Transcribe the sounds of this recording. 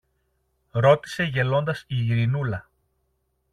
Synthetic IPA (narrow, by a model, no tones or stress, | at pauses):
ɾo̞t̪i̥se̞ʝe̞lo̞nd̪ɐsiɾinulɐ